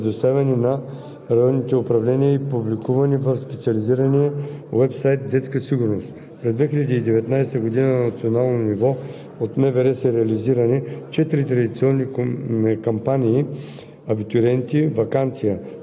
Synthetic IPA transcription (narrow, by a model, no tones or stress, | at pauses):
d̪ost̪avʲɛninɐ | ɾɐjɔnːit̪ɛʊpɾɐvlɛnijəipublikuvɐnivɐfspɛt̪siɐliziɾɐniəwɛpsajt̪̚d̪ɛt̪skəsiɡʊɾnost̪ | pɾɛzd̪vɛxilʲɛd̪iːd̪ɛvɛt̪najst̪əɡod̪inənnɐt̪sionalˠnonivɔ | ot̪mɛvɛɾɛsɐɾɛɐliziɾɐnit͡ʃɛt̪iɾit̪ɾɐd̪it̪siɔnːi | kompaniː | ɐbit̪ʊɾɛnt̪ivɐkant̪sijə